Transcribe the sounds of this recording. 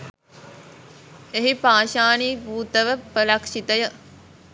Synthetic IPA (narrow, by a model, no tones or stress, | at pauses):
eɦipaːʃaːniːpuːt̪əʋəpəɾakʃit̪əjə